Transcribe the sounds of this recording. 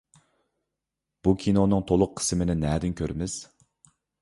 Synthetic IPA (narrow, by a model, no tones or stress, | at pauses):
b̥ukʲʰinonɨŋt̪ʰolˠʊq̚ʰːə̥smɪnɪnɛːd̪ɪnkʲʰøɾmɪz̥